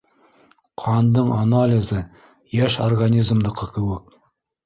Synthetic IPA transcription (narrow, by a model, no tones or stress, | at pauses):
qʰɑnd̪ɤɴanalʲɪzɤ | jæʃorɡanʲizmd̪ɤ̆qɤkɘ̆wɘk̚